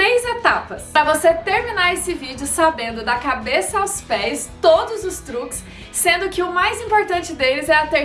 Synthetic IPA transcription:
ɾejzet̪apɐsɾɐvoset̪eɾminaɾesɪvid͡ʒɪʊsabẽnd̪ʊd̪ɐkabesɐawspɛst̪od̪ʊzʊst̪ɾukɪ̥sː | ẽnd̪ʊkɪʊmajzĩpoɾt̪ɐ̃nt͡ʃɪd̪elɪzɛɐt̪e

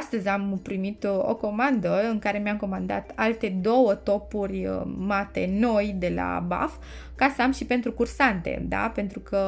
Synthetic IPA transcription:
ast̪əzʲampɾimit̪o̞̰ko̞mand̪əɨŋkaɾe̞meamko̞mand̪a̰t̪alt̪e̞d̪o̞wət̪o̞purʲmat̪e̞̰no̞jd̪e̞la̰ba̰f | kasəamʃipe̞nt̪ɾukursant̪ḛd̪a̰pe̞nt̪ɾukə

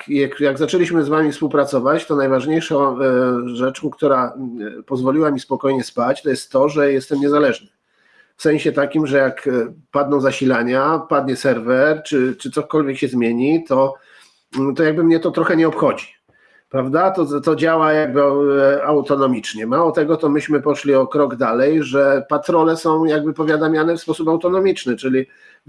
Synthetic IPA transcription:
jakjaɡzat͡ʂɛlʲiɕmɘzvamʲifspuwpɾat̪sɔvat͡ɕt̪ɔnajvaʐɲejʂɔ̃ | ʐɛt͡ʂũkt̪uɾapɔzvɔlʲiwamʲispɔkɔjɲɛspat͡ɕt̪ɔjɛst̪ːɔʐɛjɛst̪ɛmɲɛzalɛʐnɘ | fsɛ̃ɕɛt̪akʲimʐɛjakpad̪nɔ̃w̃zaɕilaɲapad̪̚ɲɛsɛɾvɛɾt͡ʂɘt͡ʂɘt̪sɔkɔlvʲjɛkɕɛzmʲjeɲit̪ɔ | t̪ɔjaɡ̚bɘmɲɛt̪ɔt̪ɾɔxɛɲɛɔpxɔd͡ʑi | pɾavd̪at̪ɔt̪ɔd͡ʑawajaɡ̚bɘawt̪ɔnɔmʲit͡ʂɲɛmawɔt̪ɛɡɔt̪ɔmɘɕmɘpɔʂlʲiɔkɾɔɡd̪alɛjʐɛpat̪ɾɔlɛsɔ̃w̃jaɡ̚bɘpɔvʲjad̪amʲjanɛfspɔsupawt̪ɔnɔmʲit͡ʂnɘt͡ʂɘlʲi

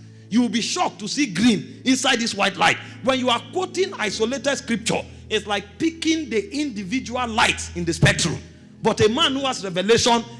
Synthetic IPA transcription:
juwilbiʃɔk̚tusiɡɹĩmĩnsaɪd̚diswaɪtla̰ɪt̚ | wɛ̃njuakwotĩna̰ɪsoletɛdskɹip̚t͡ʃɔ̰ | ɪtslaɪk̚pikĩndəʔĩndivid͡ʒuallaɪtsĩndəspɛk̚tɹṵ̃m | bɔtemãnhuhasɹɛvɛleʃɔ̃n

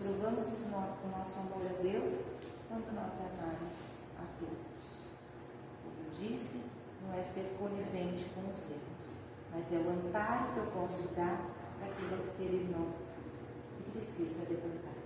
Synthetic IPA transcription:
levɐ̃mʊzʊznɔʊ̃nɔsʊamɔɾad̪ews | kɐ̃nd̪ʊnɔzamamʊz | a̰t̪od̪ʊs | kõ̰kewd͡ʒisɪ | nɐ̃w̃ɛseɾkõvivẽnt͡ʃɪ̥kõw̃ʊzemʊs | mɐzɛʊɐ̃mpaɾʊkewpɔsʊd̪aɾ | ɾakilʊkɪelɪnɐ̃w̃ | pɾesizɐːd̪evɐ̃nt̪aɾ

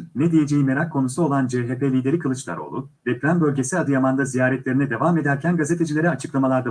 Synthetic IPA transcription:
ned̪ije̞d͡ʒejime̞ɾakʰːo̞nusuo̞lˠand͡ʒeːɦepʰelʲiːd̪e̞ɾikʰɯlˠɯt͡ʃlˠa̰ɾo̰lˠṵ | vɛpɾʲænbølʲɟe̞siad̪ɯjamand̪azijaːɾɛt̪lʲe̞ɾinɛd̪e̞vame̞d̪æɾcʰænɡaze̞t̪ʰe̞d͡ʒilʲe̞ɾɛat͡ʃʰɯ̥klˠamalˠaɾd̪a

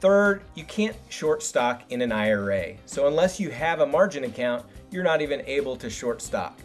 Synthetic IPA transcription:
θɜ˞djɨkʰæ̃ntʃɔɹtstɑkɨ̃nɨ̃naɪə˞eɪsoʊə̃nlɛsjɨɨvəmɑɹd͡ʒɨ̃nɨkʰãʊ̃nʔə˞nəɾivɨ̃neɪbl̩ˠtʰɨʃɔɹtstɑ̰k̚

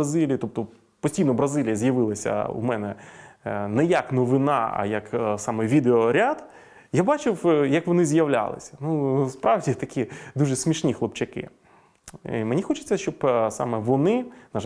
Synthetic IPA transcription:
ɐzilʲiːt̪ɔp̚t̪ɔ | pɔsʲtʲijnɔbɾɐzilʲijɐzʲjɐʋɪlˠɐsʲɐ̰ṵmɛnɛ | nɛjɐknɔʋɪnɑ̰ɐ̰jɐksɑmɛʋʲid̪eɔɾʲad̪ | jabɑt͡ʃɪwjɐkʋɔnɪzjɐʋlʲa̰lˠɪ̰sʲɐ̥nuspɾɑʋdʲit̪ɐkʲid̪uʐɛsʲmʲiʃnʲixlˠɔp̚t͡ʃɐkɪ̰ | imenʲixɔt͡ʃɪ̥t͡sʲːɐʃt͡ʃɔbsɑ̰mɛʋɔnɪnɐʒ

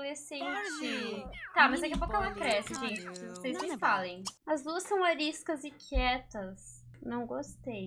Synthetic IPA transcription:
lesẽad͡ʒit̪amɐzd̪ɐkɛɐpowkʊɛlɐkɾɛsɪʒẽñt͡ʃɪvosejzẽfalẽj̃ɐzd̪uɐsɐ̃w̃aɾiskɐzɪkʰɛt̪ɐss | nɐ̃w̃ɡost̪ej

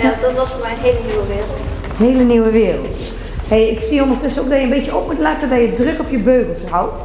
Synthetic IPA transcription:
jdɔtʋɔsfoːmɛjənɦeːləniwəʋɪːrəl̩ˠt | heːləniwəʋɪːrə̰lˠt | hejɪkfstiːəõndərətøsənoːk̚dɔjəmbeːtjəop̚mutlɛtədɔjədrøkɔpjəbøːɣənˠsəhawt

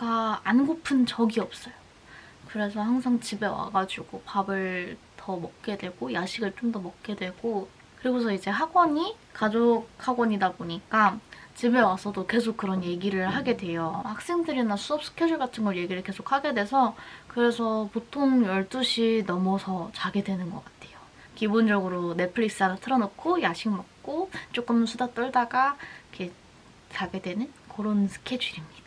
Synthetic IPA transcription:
kaanɡopʰɯnt͡ɕʌɡiʌp̚s͈ʌjo | kɯɾe̞sʰʌhaŋsʰaŋt͡ɕibe̞wa̰ɡad͡ʑuɡopabɯɭtʌmʌk̚k͈e̞dwe̞ɡ̥ojaɕʰiɡɯɭt͡ɕ͈omdʌmʌk̚k͈e̞dweɡo | kɯɾiɡosʰʌid͡ʑe̞haɡwʌɲi | kad͡ʑokhaɡwʌɲidaboɲik͈at͡ɕibe̞wasʰʌdoke̞sʰok̚k͈ɯɾʌnje̞ɡiɾɯɭhaɡe̞dwe̞johak̚s͈e̞ŋdɯɾinasʰuʌp̚s͈ʰɯ̥kʰed͡ʑuɭɡatʰɯŋɡʌɭje̞ɡiɾɯɭke̞sʰok̚ʰhaɡe̞dwe̞sʰʌkɯɾe̞sʰʌpotʰoŋjʌɭt͈uɕʰinʌmusʰʌt͡ɕaɡe̞dwe̞nɯnɡʌk͈ḁtʰe̞jo | kibond͡ʑʌɡɯɾone̞pʰɯɭiks͈ɯaɾatʰɯɾʌnokʰojaɕʰiŋmak̚k͈ot͡ɕ͈ok͈ɯmsʰudat͈ʌɭdaɡakʰe | t͡ɕaɡe̞dwe̞nɯnkoɾonsʰɯ̥kʰed͡ʑiɾimɲid̥a

